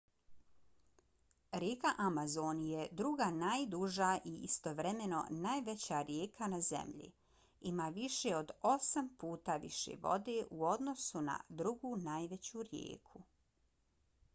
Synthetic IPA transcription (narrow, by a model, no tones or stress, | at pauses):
ɾjeːkaʔamazonje̞d̪ɾuɡaːnaːjd̪uʒaːʔiḭst̪o̞ʋɾeme̞no̞̰naːjʋet͡ɕaːɾjeːkʰanazḛmʎḭ | imaːʋiʃeo̞d̪o̞sampuːt̪aʋḭʃḛʋo̞̰d̪e̞ʔuo̞d̪no̞suna̰d̪ɾuɡuːnaːjʋe̞t͡ɕuːɾjḛːkʰu